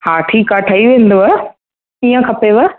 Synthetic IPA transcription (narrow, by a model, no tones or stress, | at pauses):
haːʈʰiːkaʈʰaiʋẽːn̆d̪oa | ijə̃kʰɐpeʋa